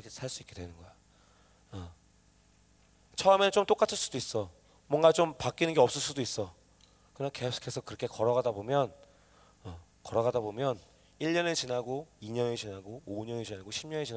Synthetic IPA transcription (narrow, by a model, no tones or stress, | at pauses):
ʌkʰesʰaɭs͈uik͈e̞dwe̞nɯnɡʌja | ʌ | t͡ɕʰʌɯmet͡ɕomt͈ok͈atʰɯɭs͈udois͈ʌ | mwʌŋɡat͡ɕompak͈inɯnɡeʌp̚s͈ɯɭs͈udois͈ʌ | kɯnʌnkeso̥kʰesʰʌkɯɾʌkʰekʌɾʌɣadabomjʌn | ʌ | kʌɾʌɣadabomjʌn | iʎːʌnet͡ɕinaɡoiɲʌnet͡ɕinaɡooɲʌnet͡ɕinaɡoɕʰimɲʌnet͡ɕin